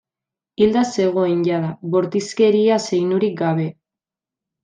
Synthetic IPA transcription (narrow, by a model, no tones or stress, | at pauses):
ild̪ase̞ɣ̞o̞enɟaðaβo̞ɾt̪iske̞ɾiase̞jnuɾik̚ɡaβ̞e̞